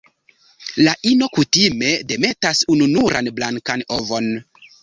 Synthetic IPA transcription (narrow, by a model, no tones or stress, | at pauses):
laʔino̞kutime̞de̞me̞tasununuɾʔa̰nblaŋkano̞vo̞n